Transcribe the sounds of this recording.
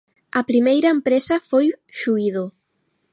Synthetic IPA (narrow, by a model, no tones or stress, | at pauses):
ɐpɾimejɾɐempɾesɐfojʃuiðo